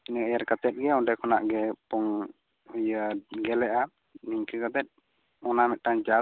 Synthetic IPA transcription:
inəajaɾkat̪ɛt̪̚ɡɛɔɖɛkɔna̰ʔɡɛpɔŋ | ujəɡɛlɛʔa | niŋkəkat̪ɛt̪̚ | ɔnamɛt̪̚ʈaɲd͡ʒa

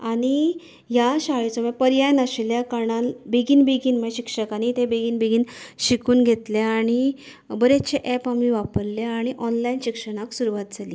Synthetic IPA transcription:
aɽ̃i | jaɕaɭit͡sɔmẽpəɾjajnaɕljakaɽanbeɡiːnbeɡiːnmɕikʂəkañit̪ebeɡiːnbeɡiːnɕikuːnɡʱet̪leaɽ̃i | bəɾet͡ɕeʔɛpamiʋapəɾleaɽ̃iʔɔnlainɕikʂəɽ̃aksuɾuʋat̪̚d͡zʱaliː

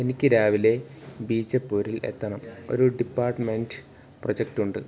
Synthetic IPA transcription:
e̞nikʲːɨɾaːʋile̞biːt͡ɕːɐpːoːɾile̞̰t̪ːɐɳɐmo̞̰ɾuɖipːaːrʈmenɖ | prod͡ʑek̚ʈuɳɖɨ

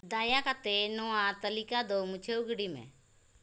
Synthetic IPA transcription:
d̪aːjakat̪enɔãt̪əlikad̪omʊt͡ʃʰeʊɡɽimɛ̰̃

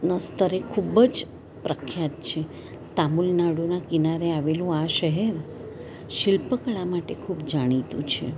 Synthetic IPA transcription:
nəst̪əɾekʰubəd͡ʒ | pɾəkʰjat̪̚t͡ʃʰe | t̪amulnaɽunakinaɾeaʋelũaʃəɦeɾ | ʃɪlpəkɭamaʈekʰubd͡ʒaɽ̃it̪ṵ̃t͡ʃʰḛ

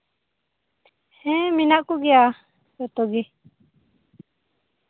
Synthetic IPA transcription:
hɛ̃mĩnãʔkuɡia | jot̪oɡi

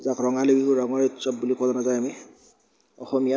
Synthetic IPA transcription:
zakɹɔŋalebikuɹɔŋɔɹtsɔp̚bulikʰlɔnazajami | ɔxɔmija

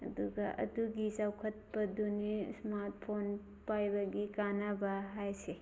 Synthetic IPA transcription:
ɐ̰duɡaʔɐ̰duɡisawkʰɐt̪̚bɐd̪unismaɾt̚ʰpʰon | pajbaɡikanabaɦajse

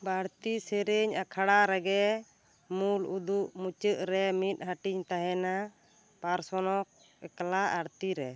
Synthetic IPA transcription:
baɽt̪iseɾeɲakʰaɽaɾɛɡɛ | mulud̪uʔmut͡ʃəʔɾɛmit̪̚ˀhaʈiɲt̪aɦɛna | paɾsɔnɔk̚ | ɛklaʔaɽt̪iɾɛ

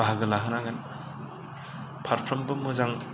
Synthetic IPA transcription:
aɦaɡɯlaɦɯnaɡan | pʰat̚pʰɔmbɯmuzaŋ

